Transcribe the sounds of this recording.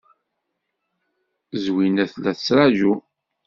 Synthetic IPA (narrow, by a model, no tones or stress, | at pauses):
zwinæθlæθəsɾˤaʒu